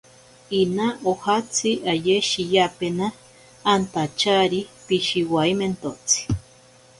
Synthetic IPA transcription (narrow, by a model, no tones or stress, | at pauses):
inaʔohat͡sʰiʔajeʃijapenaː | nt̪at͡ʃaɾipiʃiwaiment̪ot͡si̥